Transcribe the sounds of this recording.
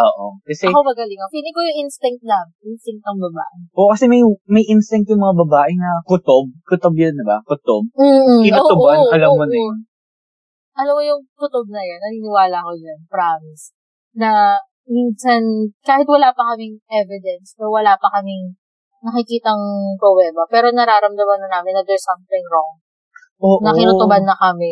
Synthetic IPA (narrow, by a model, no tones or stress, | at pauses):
ʔoːʔo̰kɐsɛɐkomɐɡɐlɪŋɐfinɪkojʊŋʔinst̪ɪŋ̚t̪̚lɐmʔɪnst̪ɪŋk̚t̪ɐŋbɐba̰ːʔɪʔokɐsɛmɐjmɐjʔinst̪ɪŋkt̪jʊŋmɐŋabɐbaːʔɪnɐkʊt̪ob̚kʊt̪ob̚jond̪ɪbakʊt̪ob̚m̩ːkɪnoʊbaɐlɐmːonɐo | ʔɐlɐmojʊŋkʊt̪ob̚nɐjonːɐniːnɪwaːlɐkojonpɾaːmɪs | nɐ | mɪnsankaːhɪt̪̚wɐlaːpɐkɐmɪŋʔɛvɪd̪ɛnsɛwɐlaːpɐkɐmɪŋ | nɐkɪkiːt̪ɐŋpɾoblɛːmɐpɛːɾo̞nɐɾaːɾɐmd̪ɐmɐnɐnaːmɪnːɐd̪ɛɹsɐmt̪ɪŋɾoŋ | ʔoːʔnɐkɪnoobanːɐkɐmɪ